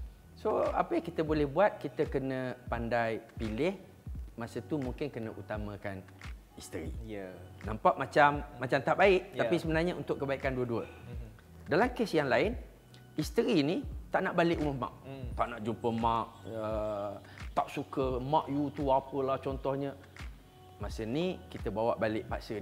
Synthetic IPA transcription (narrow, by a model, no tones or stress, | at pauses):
soa̰pəjaŋkit̪əbolɛhbuat̪̚kit̪əkənə̃pandajpilɪh | masət̪umuŋkɪnkənəʔut̪amə̃kan | ist̪əɾḭnampaʔmat͡ʃamːat͡ʃamt̪aʔbaɪʔ̪̚apisəbənarɲəunt̪ʊʔkːəbaikanduəduə̰ | dalamkesjaŋlaɪn | ist̪əɾinit̪aʔnaʔbalɪʔuməhmã̰ʔ̚t̪aʔnaʔd͡ʒumpəmaʔə | t̪aʔsukəmãʔjut̪uapəlaht͡ʃɔnt̪ɔhɲə | masənikit̪əbawaʔbalɪʔpaʔsə